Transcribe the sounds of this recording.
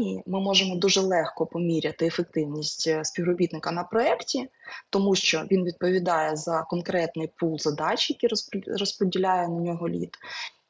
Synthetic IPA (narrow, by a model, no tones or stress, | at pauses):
iimɪmɔʒemɔd̪uʒɛlˠɛxkɔpɔmʲiɾʲɐt̪ɪefek̚t̪ɪwnʲisʲtʲspʲiwrɔbʲit̪nɪkɐnɐpɾɔɛktʲit̪ɔmuʃt͡ʃɔʋʲinʋʲid̪̚pɔʋʲid̪ɑjɛzɐkɔnkɾɛt̪nɪjpulˠzɐd̪ɑt͡ʃjɐkʲiɾrɔspɔdʲilʲajɛnɐnʲɔɦɔlʲḭt̪